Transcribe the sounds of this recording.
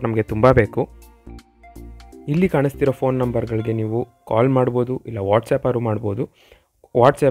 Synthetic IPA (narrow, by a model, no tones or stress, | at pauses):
nɐmɐɡe̞t̪umbabe̞ːku | ilːikaːɳist̪iɾoːpʰo̞ːnːɐmbɐɾɡɐɭiɡe̞niːʋukaːlmaːɽbo̞ːd̪uʔilːɐʋaːʈsɛːpɐɾumaːɽbo̞ːd̪u | ʋaːʈsɛː